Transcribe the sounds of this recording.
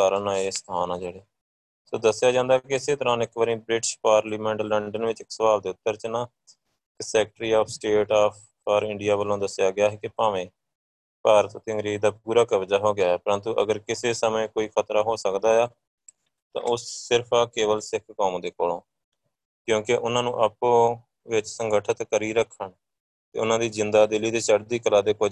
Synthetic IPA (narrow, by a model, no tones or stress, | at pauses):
kaːɾənaːest̪ʰaːnãːd͡ʒeːɽeː | soːd̪əsːɪjaːd͡ʒãːnd̪aːkɪɪseːt̪əɾãːnɪkʋəɾĩːbɾɪʈʃpaːɾliːmɛ̃ːɳʈləɳɖənʋɪt͡ʃɪksəʋaːld̪eːʊt̪ːəɾt͡ʃənaː | kɪsɛːk̚ʈɾiːaːpʰsʈeːʈaːpʰ | aːɾɪ̃ɳɖijaːʋəlːõːd̪əsɪjaːɡɪjaːɦɛːkɪpaːʋẽː | paːɾət̪ːt̪ɪŋɾiːd̪aːpuːɾaːkəʋd͡ʒaːɦoːɡɪjaːɦɛːpəɾənt̪uːʔə̰ɡəɾkɪseːsəmẽːkoːiːkʰət̪ɾaːɦoːsəkd̪aːjaː | t̪ã̰ːʔʊssɪɾpʰaːkeːʋəlsɪkʰkoːmd̪eːkoːlõː | kjõːkɪʔʊnãːnũːʔəpõː | ʋɪt͡ʃsəŋɡəʈʰət̪kəɾiːɾəkʰːəɳ | t̪ḛːʊnãːd̪iːzɪnd̪aːd̪ɪlːiːd̪eːt͡ʃəɽd̪iːkəlaːd̪eːkʊ